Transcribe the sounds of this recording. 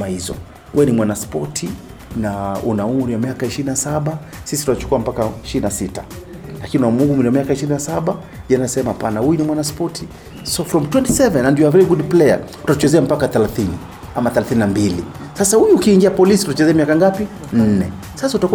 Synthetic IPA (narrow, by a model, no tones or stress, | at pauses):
ahizɔ̰ | ɛnimwanaspɔtʰi | naunaumɾiwamiakaiʃiɾinasaɓa | sisi̥tutat͡ʃu̥kuam̩pakaiʃiɾinasita | lakiniunamuɡumɾiwamiakaiʃiɾinasaɓa | ʄɛnasɛmaapanahujunimwanaspɔtʰi | sɔfɾɔmtwɛntisɛvɛnːandiɔavɾɛɡudplɛja̰ | u̥tat͡ʃɛzɛam̩pakaθɛlaθini | amaθɛlaθininambili | sasahujuːkiːŋɡiapɔlisi̥tutat͡ʃɛzɛamiakaŋɡapi | n̩nɛ | sasautaku